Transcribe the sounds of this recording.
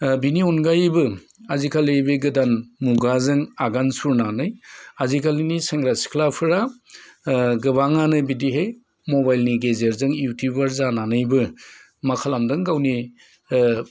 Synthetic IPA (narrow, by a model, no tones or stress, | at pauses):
biniɔnɡajbɯ | azikʰalejbɯɡɯdanmuɡazɯŋaɡansuɾnanɯjazikʰaliniseŋɾasi̥kʰlapʰɯɾa | ɡɯβaŋanɯbidiɦej | mobajlniɡezeɾzɯŋjutʰubaɾzananɯjbɯ | makʰalamdɯŋɡawni